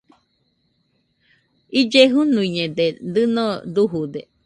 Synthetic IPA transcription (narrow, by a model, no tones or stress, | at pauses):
id͡ʒeɦunũiɲẽd̪ed̪ɨnõd̪uɦud̪e